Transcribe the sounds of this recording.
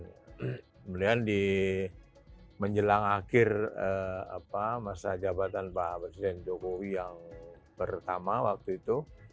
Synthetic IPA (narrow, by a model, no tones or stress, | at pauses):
kəmudiandi | məɲd͡ʒəlaŋakɪrəa̰pamasad͡ʒabat̪anbaɦapɾesidɛnd͡ʒokowijaŋ | pərt̪amawak̚t̪uit̪u